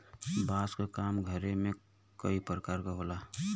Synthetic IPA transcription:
baːskakaːmɡʱəɾemẽ | kəipɾəkaːɾkaɦoːlaː

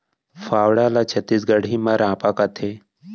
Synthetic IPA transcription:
faːwɽalat͡ʃʰət̪ːiːs̬ɡəɽ̤ĩmaɾãːpakat̪ʰe

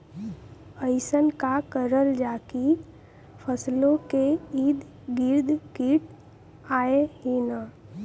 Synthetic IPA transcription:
əɪsənkakəɾəld͡ʒaki | pʰəslõkeiːd̪ | ɡiɾd̪ʱkiʈ | aːeɦina

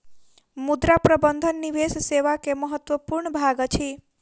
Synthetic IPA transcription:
mud̪ɾapɾəbənd̪ʱənːiʋesseʋakeməɦət̪ʋəpuɾɳbʱaɡt͡ʃʰi

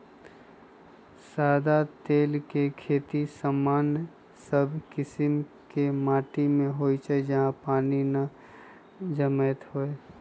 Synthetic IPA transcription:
saːd̪at̪eːlkekʰeːt̪isəmːaːn | səbʱkɪsɪmkemaːʈimẽɦoːit͡ʃaed͡ʒɐɦãpaːnina | d͡ʒəmət̪ɦoːeː

